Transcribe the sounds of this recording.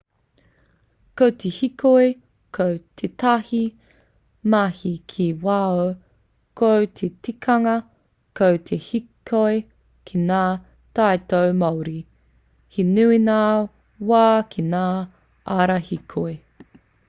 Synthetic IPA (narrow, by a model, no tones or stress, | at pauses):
kowt̪ʰehikoj | kʰowtʰetɐhi | mahikʰiwao | kʰowt̪ʰetikʰɐŋɐ | kowt̪ʰehikʰoe | kʰinaː | tajtowmɐwɾi | hinuina | waːkʰinaː | ʔaɾahikʰoe